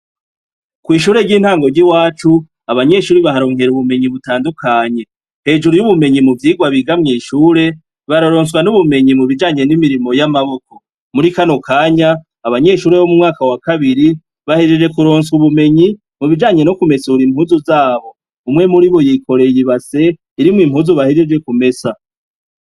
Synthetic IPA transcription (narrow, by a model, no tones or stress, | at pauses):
kwiːʃuːɾe̞ɾɟiːn̥haːŋɡo̞ɾɟiwaːt͡ʃu | aβaɲe̞ʃuːɾiβaɦaɾo̞ːŋɦe̞ɾuβume̞ɲiβutaːndukʰaɲe̞ | he̞ːd͡ʒuɾujuβume̞ɲimuvjiːɡwaβiɡamŋiːʃuːɾe̞ | βaɾoɾo̞ːns̬ɡwanuβume̞ɲimuβid͡ʒaːɲe̞nimiɾimo̞jamaβo̞ko̞ | muɾikano̞kʰaːɲaː | βaɲe̞ʃuːɾe̞βo̞mumŋaːkawakaβiɾi | βahe̞d͡ʒe̞d͡ʒe̞kuɾo̞ːnsɡuβume̞ɲi | muβid͡ʒaːɲe̞nokume̞suuɾim̥huːzuzaːβo̞ | umŋe̞muɾiβo̞jiko̞ɾe̞jiβase̞ | iɾimŋiːm̥huːzuβahe̞d͡ʒe̞d͡ʒe̞kume̞sa